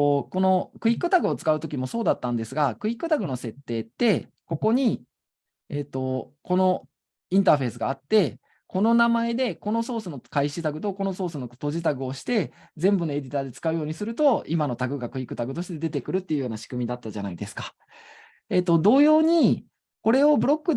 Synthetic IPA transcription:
ko̞no̞kɯ̟ikːɯ̟t̪aɡɯ̟o̞t͡sɨ̥kaɯ̟t̪o̞kʲimo̞so̞ːd̪at̪ːãnd̪e̞sɨɡakɯ̟ikːɯ̟t̪aɡɯ̟no̞se̞t̪ːe̞ːt̪ːe̞ | ko̞ko̞ɲ̟i | et̪ːo̞ko̞no̞ | ĩnt̪aɸe̞ːsɨɡaːt̪ːe̞ | ko̞no̞namae̞d̪e̞ko̞no̞so̞ːsɨno̞kaiɕit̪aɡɯ̟t̪̬o̞ko̞no̞so̞ːsɨno̞t̪o̞ʑit̪aɡɯ̟o̞ɕi̥t̪e̞zẽ̞mbɯno̞e̞d̪ʲit̪aːd̪e̞t͡sɨ̥kaɯ̟jo̞ːɲ̟isɨɾɯ̟t̪o̞imano̞t̪aɡɯ̟ɡakɯ̟ikːɯ̟t̪aɡɯ̟t̪o̞ɕit̪e̞d̪e̞t̪e̞kɯ̟ɾɯ̟t̪ːeiɯ̟jo̞ːnaɕi̥kɯ̟mʲid̪at̪ːaʑana̰id̪e̞sɨ̥kḁ | e̞t̪ːo̞d̪o̞ːjo̞ːɲ̟i | ko̞ɾe̞o̞bɯ̟ɾo̞kːɯ̟

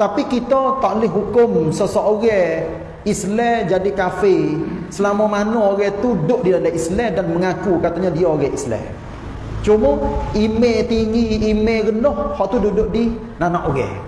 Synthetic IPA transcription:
t̪apikit̪ɔt̪aʔlɪɦɦukʊmsəsɔʔoɣɛ | islɛd͡ʒadikafesəlamɔmanuoɣɛt̪udʊʔdidalaʔislɛdanməŋakukat̪aɲadiaoɾɛislɛ̰ | t͡ʃumɔimet̪iŋiːmeɡənɔhhɔʔt̪ududʊʔdi | nanaʔoɣɛ̰

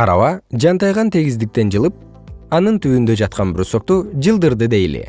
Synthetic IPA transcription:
ɑɾɑ̰βɑd͡ʒɑnt̪ɑjʁɑnt̪ʰe̞ɡizd̪ik̚t̪e̞nd͡ʒɯlˠɯp̚ | ɑnɯnt̪yːynd̪ø̞d͡ʒɑt̪̚qɑnbɾosok̚t̪ud͡ʒɯlˠd̪ɯɾd̪ɯd̪e̞jlḛ

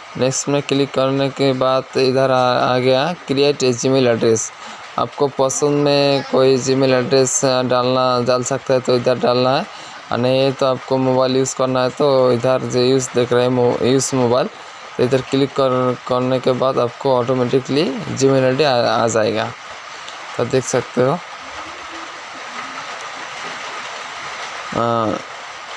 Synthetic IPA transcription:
neksʈmẽkɪlikːɐɾnekebaːt̪ɪd̪ʱaɾa̰ɡɐjakɾijeːʈed͡ʒimeːlɛɖɾeːs | a̰ːp̚kopəsə̃nd̪mẽkoːid͡ʒimelɛɖɾeːsɖaːlad͡ʒaːlsɐk̚t̪aɦɛt̪oɪd̪ʱaɾɖaːlnaɦɛ | a̰najet̪oaːp̚komoːbaːɪljuːzkɐɾnaɦɛt̪oɪd̪ʱəɾd͡ʒojuːsd̪ekʰɾaɦɛjuːzmobaːɪl | t̪oɪd̪ʱəɾkɪlipːkəɾnekebaːd̪aːp̚koɔːʈomɛʈɪklid͡ʒimilɛʈia̰d͡ʒaːeɡa | t̪ad̪eːkʰsɐk̚t̪eɦo

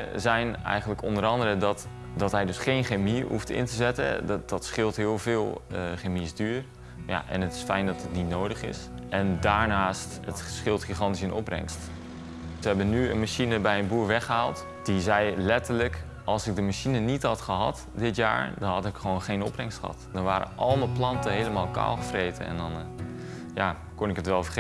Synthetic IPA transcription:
zɛjnɛ̰jχənləkɔndəɾɑndəɾədɔt | dɑtɦɛjdɵsχejnχemiɦuftɪ̰ntəzɛtə̰d̥ɑtsχɪlˠtɦɪːlˠvɪːlˠχemizdyːr | ja̰ʔɛ̰nətɪ̥sfɛjndɔtətnitnowdəχɪ̰sʔɛndaːɹnaːstətsχɪlˠtχiχɑntisɪnɔ̰prɛ̰ŋst | ʋəɦɛbənyə̰nmaʃinəbɛjənbuːɹʋɛχəɦaːlˠt | d̥izɛjlɛtəɹlək | ɑlˠsɪɡ̚dəmaʃinənitɦɑtχəɦɑ̰t | dɪtja̰ːɹdɔnɦɑtɪkχʋownχejnɔprɛŋstχəɦɑ̰tdɔnʋaːɾə̰ʔɑlˠməplɑntəɦejləmaːlˠka̰ːlˠχəfrejtə̰ɛ̰ndɔn | ja | kɔnɪkətʋɛlˠfərχ

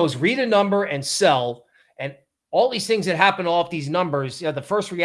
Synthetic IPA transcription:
ʊzɹiɾɨnʌ̃mbə˞ɨ̃nsɛlˠ | ɨ̃n | ɔlˠðiz̥θɪ̃ŋzðɨt̚ɦæpɨ̃n̩dɔlˠʌvðiznʌ̃mbə˞zjoðəfɜ˞st̚ɹi

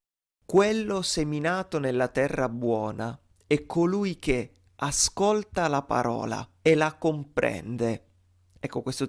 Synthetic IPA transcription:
kwelːoseminaːt̪onelːat̪ɛrːabwɔːna | ɛkʰːolujk̟e | askolt̪alapa̰ɾɔ̰ːla̰elakompɾɛ̰nd̪e | ɛkːokwest̪o

